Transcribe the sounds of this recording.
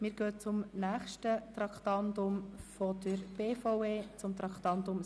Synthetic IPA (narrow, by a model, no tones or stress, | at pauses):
mɪːɾɡ̥øːt͡sʊmnæːχʃtət̪ɾɑkt̪ɑnd̪ʊmfɔd̪əɾb̥eːfoweːt͡sʊmt̪ɾɑkt̪ɑnt̪ʊm